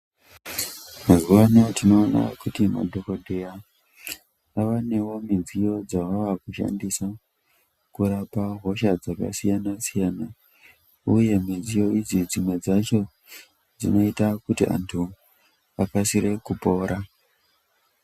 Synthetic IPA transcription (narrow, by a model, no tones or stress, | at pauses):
mazuʋanotino̞ːna̰kutima̰dʱokodʱe̞ja | aʋane̞wo̞mind͡zijo̞d͡zaʋaʋakuʃa̰ndisa | kuɾapaɦo̞ʃad͡zaka̰sijanasijana | uje̞mid͡zijo̞id͡zid͡zimwe̞d͡zat͡ʃo̞ | d͡zḭno̞itakutiʔa̰ntʰu | akasiɾe̞kupo̞ːɾʔa